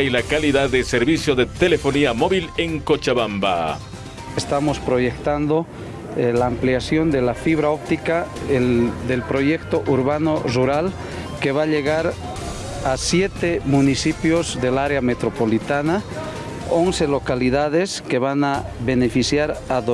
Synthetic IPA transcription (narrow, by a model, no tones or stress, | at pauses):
jlakaliðaðːeseɾβisjoðet̪elefoniamoβileŋkot͡ʃaβamba̰ | est̪amospɾo̞ʝekt̪and̪o | laːmpleasjond̪elafiβ̞ɾaop̚t̪ika | d̪elpɾoʝekt̪oʔuɾβanoruɾal | keβaʎeɣaɾ | asjet̪emunisipjozðelaɾeamet̪ɾopo̞lit̪ana | onselo̞kaliðað̞eskeβanaβe̞nefisjaɾað